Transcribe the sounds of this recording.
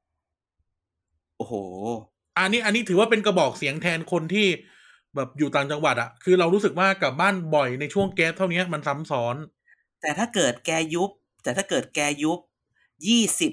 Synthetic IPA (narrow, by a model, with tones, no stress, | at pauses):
ʔoː˨˩hoː˩ | ʔa˧nːiː˦˥ʔa˧nːi˦˥t̪ʰɯː˩˦wa˥˩pe˧nka˧bɔː˨˩k̚si˩˦əŋt̪ʰɛː˧nkʰo˧nt̪ʰiː˥˩ | bɛː˨˩p̚juː˨˩t̪aː˨˩ŋt͡ɕa˧ŋwa˨˩t̪̚ʔa˨˩kʰɯː˧ɾa˧wɾuː˦˥sɯ˨˩k̚waː˥˩ka˨˩p̚baː˥˩nbɔ˨˩jna˧jt͡ɕʰu˥˩əŋkɛː˦˥p̚t̪ʰa˥˩wni˦˥ɐ˨ma˧nsa˦˥msɔː˦˥n | t̪ɛː˨˩t̪ʰaː˥˩kɤː˨˩t̪̚kɛː˧ju˦˥p̚t̪ɛː˨˩t̪ʰaː˥˩kɤː˨˩t̪̚kɛː˧ju˦˥p̚ | jiː˥˩si˨˩p̚